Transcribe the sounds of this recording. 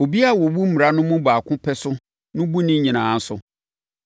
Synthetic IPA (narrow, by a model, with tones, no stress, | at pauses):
o˨bi˦a˦˨wɔ˨wu˦m̩˦mi˨ɾa˨nʊ̃˦mʊ̃˦baː˨kʰʊ̃˦pʰɛ˦sʊ˦ | nʊ̃˦bu˦nɪ̃˦ɲĩ˨nãː˨˦n̩˦sʊ̰˨